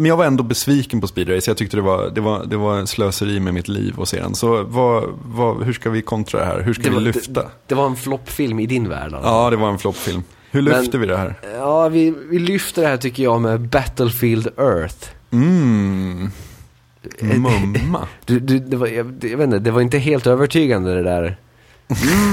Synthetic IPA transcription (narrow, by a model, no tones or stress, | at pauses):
mɛnjaɡvaɾɛnd̪oːbɛsviːkənpɔspiːd̪ɾɛjsɔjɑɡt̪ʏkt̪əd̪ɛva̰d̪ɛvad̪ɛvaɛnsløːsəɾiːmɛmɪt̪ʰlḭːvɔ̰sḛːd̪ɛ̰nsɔvavahɵʂkavɪkʰɔnt̪ɾa̰d̪ɛ̰ɦæ̰ːɾɦɵʂdkaɛɪɪlʏft̪ʰa̰d̪̥ɛvaɾɛnflɔpːfɪlmɪd̪ɪnvæ̰ːɖa̰lɑːd̪ɛvaɾɛnflɔpːfɪlm | hɵɭʏfɛt̪əvɪd̪ɛhæːɾɑːvɪvɪlʏft̪əd̪ɛhæːʈʏkːəjɑmɛbæt̪əlfild̪œɾθm̩ | mɵmːa̰d̪ɵd̪ɵd̪ɛvajjɑveːt̪nəd̪ɛvaɾɪnt̪əɦeːlt̪øːvəʈʰyːɡand̪əd̪ɛd̪æːɾ